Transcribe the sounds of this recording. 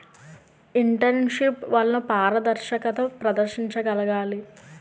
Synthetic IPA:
iɳʈɐɾnʃipʋɐlːɐnɐpaːɾɐd̪ɐɾʃɐkɐt̪ɐpɾɐd̪ɐɾʃiɲt͡ʃɐɡɐlɐɡaːli

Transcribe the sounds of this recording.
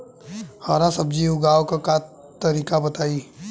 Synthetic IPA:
haːɾasɐbd͡ʒiːʊɡaːwkaka | t̪ɐɾiːkabɐt̪aːiː

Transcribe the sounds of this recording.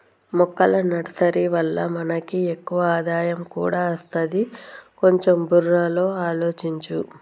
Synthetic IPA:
mɔkːɐlɐnɐɽɐsɐɾiʋɐlːɐmɐnɐkiekːuʋɐaːd̪aːjɐmkṵːɽaːɐst̪ɐd̪iko̞ɲt͡ʃomburːaːlo̞ːaːlo̞ːt͡ʃiɲt͡ʃu

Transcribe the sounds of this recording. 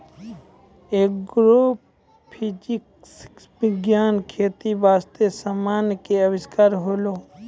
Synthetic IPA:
eːkɡɾoːp | pʰɪd͡ʒɪk | s | ʋɪɡjaːnkʰeːt̪ibaːst̪esamaːnkeəʋɪskaːɾɦoːloː

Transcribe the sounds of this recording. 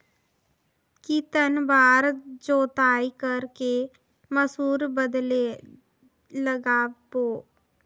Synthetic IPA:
kit̪ənbaːɾd͡ʒoːt̪aːikəɾke | məsuːɾbəd̪le | ləɡaːpoː

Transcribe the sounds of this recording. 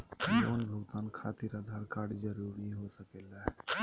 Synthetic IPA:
joːnbʱəɡt̪aːnkʰaːt̪iɾad̪ʱaːɾkaːɽd͡ʒəɾuːɾiɦosəkeːlaɦ

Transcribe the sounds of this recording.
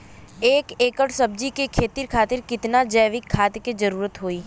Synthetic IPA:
eːkeːkəʈsəb̚d͡ʒikekʰeːt̪iɾkʰaːt̪ɪɾkɪt̪nad͡ʒəjʋɪkʰːaːt̪ked͡ʒɐɾuːɾət̪ɦoːiː

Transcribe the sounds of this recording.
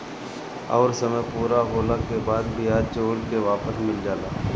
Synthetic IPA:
ɔ̰ːɾsɐməjpuːɾaɦoːlakebaːd̪̚bijaːd̪t͡ʃoːɽkeʋaːpəsmɪld͡ʒaːlaː

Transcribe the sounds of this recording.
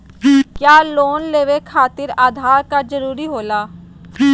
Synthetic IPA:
kjaːloːnleːʋekʰaːt̪ɪɾaːd̪ʱaːɾkad͡ʒɐɾuːɾiɦoːlaː

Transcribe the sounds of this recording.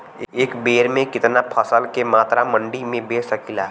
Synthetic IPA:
eːkbeːɾmẽkɪt̪napʰəsəlkemaːt̪ɾamə̃ɳɖimẽbeːsəkila

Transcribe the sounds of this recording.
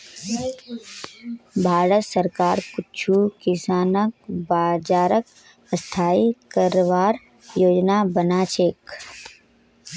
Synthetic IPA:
bʱaːɾət̪səɾkaːɾpʊtːt͡ʃʰukɪsaːnək̚baːd͡ʒaːɾək | əst̪ʰaːikəɾʋaːɾ | joːd͡ʒnabənaːt͡ʃʰeːk

